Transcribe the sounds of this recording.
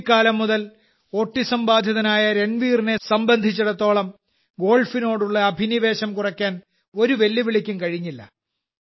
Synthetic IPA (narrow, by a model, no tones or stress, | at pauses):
kːaːlɐmːuðɐl | o̞ːʈːisɐmbaːd̪ʱjɐðɐnaːjɐɾe̞ɳʋiːrinesɐmbɐnd̪ʱit͡ɕːuɽɐt̪ːo̞ːɭɐm | ɡo̞ːlfino̞ːɽuɭːɐːbʱiniʋe̞ːɕɐmkurɐkʲːaːn | o̞ɾuʋe̞lːiʋiɭikʲːumkɐɻiɲːilːɐ̰